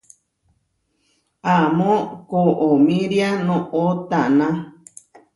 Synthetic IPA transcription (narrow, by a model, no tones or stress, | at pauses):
amõkoʔomĩɾjanõot̪anã